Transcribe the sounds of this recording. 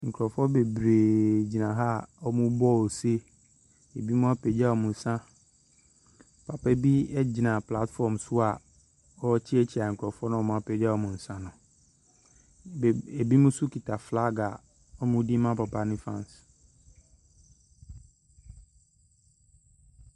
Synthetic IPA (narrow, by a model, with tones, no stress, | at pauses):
ŋ̩˨kʰɾɔ˨fɔ˦be˨bɾeː˨d͡ʑi˨nã˨ɦa˦ɔ˦mũ˦bɔ˦o˨se˦ | e˨bi˦mũ˦a˦pʰe˨d͡ʑa˦ɔ˨mũ˨n˨sã˦ | pʰa˨pɛ˦bi˦ɛ˦d͡ʑi˨nã˨pla˦tfɔ˨msʊ˦a˨ | ɔ˦t͡ɕʰi˦ɛ˦t͡ɕʰi˨a˨ŋ̩˨kʰɔ˨fɔ˦nʊ̃˦ɔ˦mʊ̃˦a˦pʰɛ˨d͡ʑa˦ɔ˨mʊ̃˨n̩˨sã˦nʊ̃˨ | e˨bi˦mũ˦su˦ki˨tʰa˨fla˦ɡa˨ | ɔ˦mʊ̃˦di˦mã˦pa˨pʰa˨nɪ̃˦fã˦˨n˨s